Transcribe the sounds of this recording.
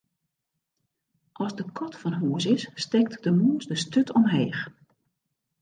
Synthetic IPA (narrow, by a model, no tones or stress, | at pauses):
ʔɔzdəkʰɔtfɔnɦoːsɪsːtɛk̚tdəmuːsdəstøtʰɔmɦeːx